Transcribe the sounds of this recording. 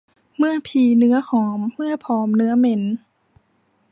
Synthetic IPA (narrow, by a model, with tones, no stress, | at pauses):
mɯ˥˩ɐpʰiː˧˩nɯ˦˥ɐhɔː˩˦mːɯ˥˩ɐpʰɔː˩˦mnɯ˦˥ɐme˧˦n